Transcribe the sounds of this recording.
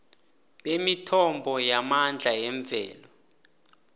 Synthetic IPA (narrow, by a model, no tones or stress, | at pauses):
ɓemitʰɔmbʱɔjamand͡ɮʱajɛɱb̪vʱɛ̰ːlɔ